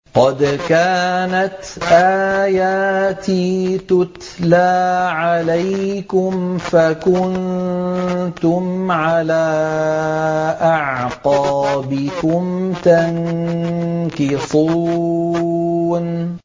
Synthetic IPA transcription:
qɑd̪kaːnat̪ʔaːjaːt̪it̪ʊt̪ | laːʕalajkʊmfakʊn | t̪ʊmʕalaː | ʔɑʕqɑːbɪkʊmt̪aŋ | kɪsuː | n

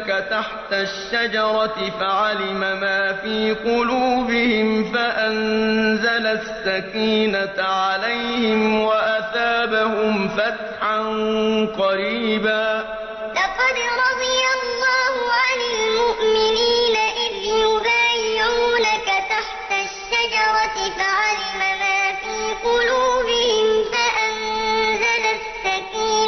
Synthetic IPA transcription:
kat̪aħt̪aʃːad͡ʒɑɾˤɑɪfaʕalɪmamaːfiːqʊluːbɪhɪmfaʔanzalasːakiːnaʕalajhɪmwaʔaθaːbahʊmfat̪ħanqɑɾiːbaː | lɑqɑd̪ɾˤɑd̪ˤɨjalːɑːhʊʕanalmʊʔmɪniːnaʔɪðjʊbaːjɪʕuːnakat̪aħt̪aʃːad͡ʒɑɾˤɑt̪ɪfaʕalɪmamaːfiːqʊluːbɪhɪmfaʔanzala | sːakiːn

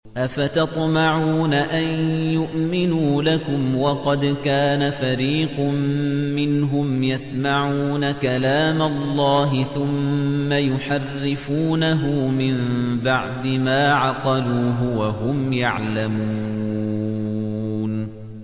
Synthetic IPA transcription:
ʔafat̪ɑt̪ˤmaʕuuːnaʔanjʊʔmɪnuːlakʊmwɑqɑd̪kaːnafaɾiːqmmɪnɦʊmjasmaʕuːnakalaːmalˤːɑːɦɪθʊmːajʊħarːɪfuːnaɦʊmɪmbaʕd̪ɪmaːʕɑqɑluːɦʊwaɦʊmjaʕlamuː | n

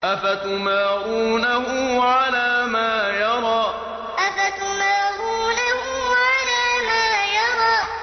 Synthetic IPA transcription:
ʔafat̪ʊmaːʕuːnahʊmʕalaːmaːjɑɾˤɑː | ʔafat̪ʊmaːɾuːnahʊʕalaːmaːjɑɾˤɑː

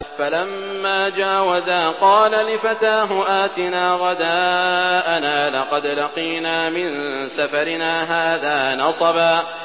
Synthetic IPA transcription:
falamːaːd͡ʒaːwazaːqɑːlalɪfat̪aːɦʊʔaːt̪ɪnaːɣɑd̪aːʔanaːlɑqɑd̪lɑqiːnaːmɪnsafaɾɪnaːɦaːðaːnɑsˤɑbaː

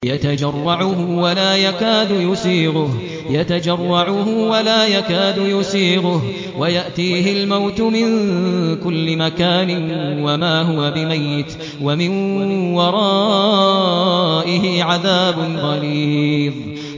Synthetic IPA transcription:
jat̪ad͡ʒɑrˤːɑʕʊɦʊwalaːjakaːd̪ʊjʊsiːɣʊh | jat̪ad͡ʒɑrˤːɑʕʊɦʊwalaːjakaːd̪ʊjʊsiːɣʊh | wajaʔt̪iːɦɪlmawt̪ʊmɪnkʊlːɪmakaːnɪwamaːɦʊwabɪmajːɪt̪ | wamɪnwɑɾˤɑː | ʔɪhɪʕaðaːbʊnɣˤɑliːðˤ

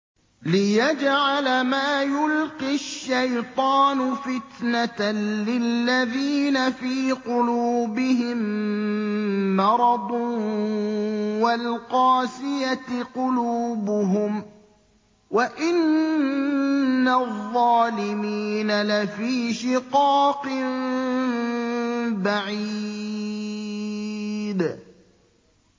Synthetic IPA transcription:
lɪjad͡ʒʕalmaːjʊlqiʃːajt̪ˤɑːnʊfɪt̪nat̪lɪlːaðiːnafiːqʊluːbɪɦɪm | mɑɾˤɑd̪ˤ | walqɑːsɪjatqʊluːbʊɦʊm | waʔɪn | aðˤːɑːlɪmiːnalafiːʃɪqɑːqɪn | baʕiː | d̪

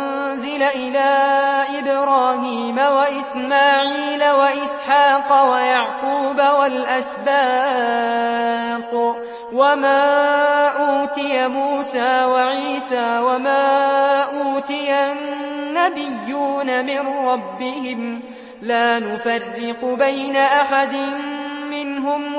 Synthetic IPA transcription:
n | zɪlaʔɪlaːʔɪbɾˤɑːɦiːmawaʔɪsmaːʕiːlawaʔɪsħaːqɑwajaʕquːbawalʔasbaː | q | wamaːʔuːt̪ɪjamuːsaːwaʕiːsaːwamaːʔuːt̪ɪjanːabɪjːuːnamɪnɾˤɑbːɪhɪm | laːnʊfɑrːɪqʊbajnaʔaħad̪ɪnmɪnɦʊm

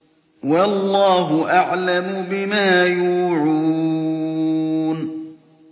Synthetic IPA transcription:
walˤːɑːɦʊʔaʕlamʊbɪmaːjuːʕuː | n

